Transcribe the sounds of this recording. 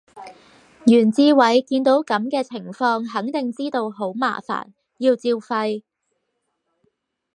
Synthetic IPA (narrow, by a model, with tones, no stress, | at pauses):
jyː˨˩nt͡siː˧wɐ˨˥jkiː˧nt̪o˨˥wkɐ˨˥mkɛː˧t͡sʰɪ˨˩ŋfɔː˧ŋɦɐ˨˥ŋt̪ɪ˨ŋt͡siː˥t̪o˧wɦo˨˥wma̰ː˨˩fa̰ː˨˩n | jiː˧wt͡siː˧wfɐ˧j